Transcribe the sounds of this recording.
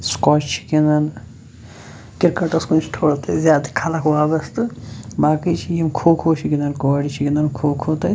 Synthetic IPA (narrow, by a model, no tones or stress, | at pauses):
skɔt͡ʃt͡ʃʰi̥kinɐn | kiɾkɐʈɐskunt͡ʃʰi̥t̪ʰoɽt̪ɐjzʲjaːd̪ikʰalakwabɐst̪ɨbaːkit͡ʃʰijimkʰokʰot͡ʃʰikinɐnkɔɽit͡ʃʰikinɐnkʰokʰot̪ɐj